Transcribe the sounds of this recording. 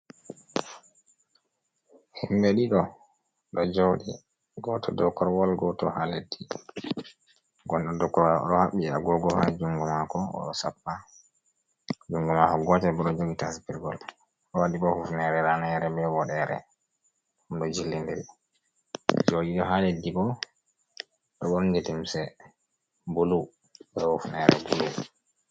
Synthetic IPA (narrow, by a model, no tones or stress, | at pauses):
himɓeɗiɗɔ | ɗɔd͡ʒoɗi | ɡɔtʰɔdɔkːɔɾwɔlɡɔtɔhaledi | ɡɔnɗɔdɔkːɔɾɔlɔ̰ɗɔhaɓːia̰ɡɔɡɔha̰d͡ʒuŋɡumakɔɔ̰ɗɔsapːa | d͡ʒuŋɡumakɔɡɔtɛbɔɗɔd͡ʒoɡitasipiɾɡɔ̰l | ʔɔwaɗibɔhufnɛɾɛɾanɛɾɛbɛwɔɗɛɾɛ̰ | humɗɔd͡ʒilːindɛl | d͡ʒoɡiɗɔɦaledːibɔ | ɗɔɓɔɗɔnd͡ʒetimsɛ | bulu | bɛhufnɛɾɛ̰bulu